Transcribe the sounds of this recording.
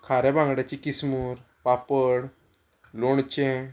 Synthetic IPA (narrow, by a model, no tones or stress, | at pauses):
kʰaɾɛbãŋɡɽat͡ɕikismuːɾ | papəɽ | loɳt͡ɕẽ